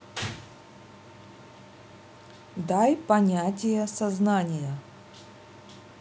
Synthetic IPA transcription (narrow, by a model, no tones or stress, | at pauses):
d̪ajpɐnʲatʲɪjəsɐznanʲɪjə